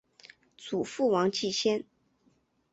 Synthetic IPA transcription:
t͡su˨˩fu˥˩wɑ˧˥ŋt͡ɕi˥˧ɕjɛ˥n

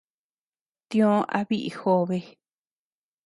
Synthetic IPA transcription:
t̪ĩ˧õ˦ʔa̰˦βi˦ʔḭ˧xo˧βe˧

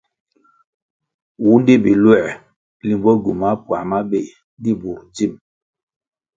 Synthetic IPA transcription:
wu˦n˦di˦bi˨lwɛ˦˨ | li˨mbɔ˦ɡu˨ma˦pwa̰˨ma˦be˦˨ | n˦di˦bu˨ɾd͡ʒi˦˨m

